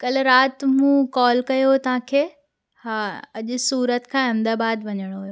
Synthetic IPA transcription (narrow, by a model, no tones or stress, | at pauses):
kɐlɾaːt̪mũːkɔːlkɐjot̪ɐʋ̤ãːkʰeː | haɐʄʊsuːɾət̪kʰãːɦɐ̃md̪aːbaːd̪ʋɐɲəɽ̃oɦujoː